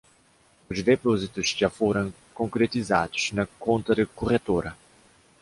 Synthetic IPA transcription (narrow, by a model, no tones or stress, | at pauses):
uzd̪epɔzit̪uz̥ʒafoɾɐ̃ŋ | kõŋkɾet̪iza̰d̪u̥z̥nɐkõnt̪ɐd̪ɪkuʁet̪oɾɐ